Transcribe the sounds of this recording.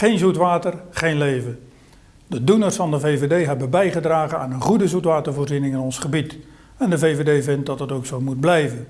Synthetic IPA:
χejnzutʋaːtərχejnlejvə | dədunərsfɑndəvejvedejɦɛbəbɛjχədraːχəna̰ːnənχudəzutʋaːtərvoːrzinɪŋɪnɔnsχəbit | ɛndəvejvedejvɪnt̚dɑtətowksowmud̚blɛjvən

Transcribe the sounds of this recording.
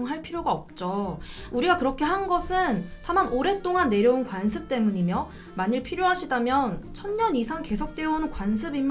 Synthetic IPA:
ŋɦaɭpʰiɾjoɡaʌp̚t͡ɕ͈ouɾiɡakɯɾʌkʰe̞ɦanɡʌsʰɯntamanoɾe̞t͈oŋanːe̞ɾjʌunkwansʰɯp̚t͈e̞muɲimjʌ | maɲiɭpʰiɾjoɦaɕʰidamjʌnt͡ɕʰʌnɲʌnisʰaŋke̞sʰok̚t͈we̞ʌnɯnkwans̬ʰɯbim

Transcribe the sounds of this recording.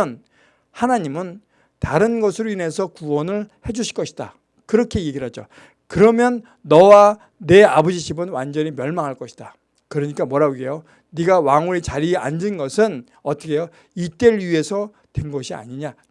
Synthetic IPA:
ʌn | hanaɲimɯn | taɾɯnɡʌsʰɯɾoine̞sʰʌkuwʌnɯɭhe̞d͡ʑuɕʰi̥ɭkʌɕʰi̥d̥a̰ | kɯɾʌkʰe̞je̞ɡiɭɦad͡ʑo̰ | kɯɾʌmjʌnː | ʌwa | ne̞abʌd͡ʑiɕʰibɯnwand͡ʑʌɲimjʌɭmaŋɦaɭk͈ʌɕʰi̥d̥a | kɯɾʌɲik͈amwʌɾabuɡejo | niɡawaŋuit͡ɕaɾiand͡ʑinɡʌsʰɯn | ʌt͈ʰʌkʰe̞jo | it͈eɭɥie̞sʰʌ | twenɡʌɕʰia̰ɲiɲa

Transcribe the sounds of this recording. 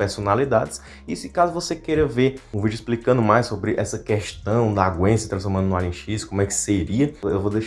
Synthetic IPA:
peɾsonalid̪ad̪ɪs | isɪkazʊvosekeɾɐveũvid͡ʒʊisplikɐ̃nd̪ʊmajssobɾɪʔɛ̰sɐkɛʃt̪ɐ̃w̃d̪ɐaɡwẽsɐt̪ɾɐ̃sfɔɾmɐ̃nd̪ʊnalĩʃiskõmʊɛkɪ̥seɾiɐewvod̪eʃ

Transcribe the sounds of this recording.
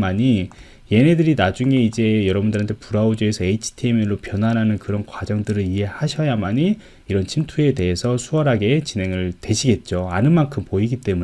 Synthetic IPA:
maɲi | je̞ne̞dɯɾinad͡ʑuŋe̞id͡ʑe̞jʌɾʌbundɯɾantʰepuɾaod͡ʑuesʰʌeit͡ɕʰi̥tʰimeɭːopjʌnwanɦanɯnkɯɾʌnkwad͡ʑʌŋdɯɾɯɭiɦe̞haɕʰʌjamaɲi | iɾʌnt͡ɕʰimtʰue̞te̞ɦesʰʌsʰuʌɾɦaɡe̞t͡ɕinɦe̞ŋɯɭtwe̞ɕʰiɡe̞t̚t͡ɕ͈oanɯnmankʰɯmpoiɡit͈e̞mu

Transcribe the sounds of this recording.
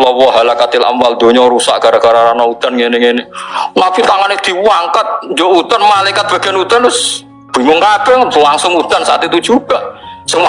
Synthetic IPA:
lɔwɔɦalakat̪ɪla̰mbald̪o̤ɲɔɾusa̰ʔkaɾaɡaɾaɾanaut̪anŋenɪŋenɪnapit̪aŋanɪd̪̥i̤wwaŋkət̪̚nd͡ʒout̪anmalajkat̪̚b̥a̤ɡ̥ɛnut̪anʊs | b̥i̤ŋʊŋkab̥ɛŋlaŋsʊŋut̪ansaʔa̰t̪it̪u̥d͡ʒ̥uɡ̥aʔsəŋ

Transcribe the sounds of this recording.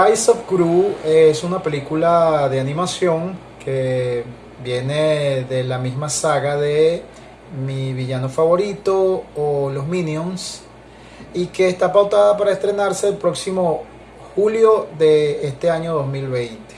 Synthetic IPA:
ajsofkɾuesunape̞likulaðe̞anĩmasjo̞ŋ | kʰe | bje̞neðe̞lamizmasaɣaðe̞ | miβiʝano̞faβo̞ɾit̪o̞ːlo̞zmĩnjons | ike̞ːst̪apawt̪aðapaɾaest̪ɾe̞naɾse̞ːlpɾo̞ksimo̞ | xuljo̞ðe̞est̪e̞aɲo̞ðo̞zmilβe̞jnt̪e̥

